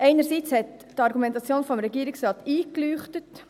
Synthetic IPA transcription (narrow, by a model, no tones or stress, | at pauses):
ʔɛɪnəɾsiːt͡shɛt | tɑɾɡumɛntɑt͡sjoːnfɔmɾɛɡiːɾɪksɾɑːtiːklyːχtət